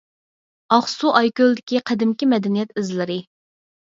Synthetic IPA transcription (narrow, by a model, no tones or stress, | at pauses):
ɑχsuʔɑjkʲøld̪ɪkʲiqʰɛd̪ɪmkʲimɛd̪ɛnijɛt̪ɪzlɪɾɪ